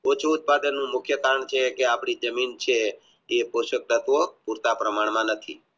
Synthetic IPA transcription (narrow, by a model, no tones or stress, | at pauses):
ot͡ʃʰuut̪̚pad̪ənːũmʊkʰjəkaɾəɳt͡ʃʰekeapɽ̃id͡ʒəmint͡ʃʰeː | poʃək̚t̪ət̪ʋopuɾt̪apɾəmaɳmãnət̪ʰḭ